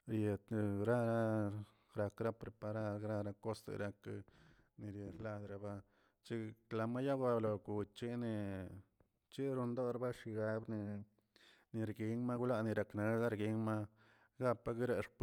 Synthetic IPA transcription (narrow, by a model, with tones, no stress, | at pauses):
ɾje˨t̪ɾa˦ɾa˦ | ɾa˧kɾa˦pɾe˨pa˧ɾa˦ɾɡɾa˦ɾa˧ko˦sḛ˨ɾa˧k | ni˨ɾje˨ɾla˧d̪ɾa˧ba˦ | t͡ʃi˦kla˧˨ma˦ja˦ɡa˧blo˨ɡu˨t͡ʃi˦ni˧ | t͡ʃi˦ɾu˧nd̪o˦ɾba˦ʃi˧ɡa˧˦bni˧ | ni˨ɾɡi˧˦ŋma˦ɡu˦la˦ni˧ɾa˨kne˧˦za˦ɾɡi˧˦ŋma˦ | ɡa˦pːa˦ɡi˦ɾe˧ʂp